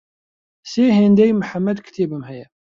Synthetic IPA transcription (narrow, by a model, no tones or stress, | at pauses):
siɦind̪æjmħamːæd̪kt̪ibəmhæjæ